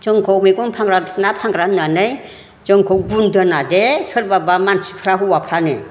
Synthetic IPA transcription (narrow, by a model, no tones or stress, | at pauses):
t͡ʃɯŋkʰɔwmiɡunpʰaŋɾanapʰaŋɡɾananɯj | t͡ʃɯŋkʰɔwɡundɯnadesɯɾbabamansi̥pʰɾaɦuwapʰɾanɯ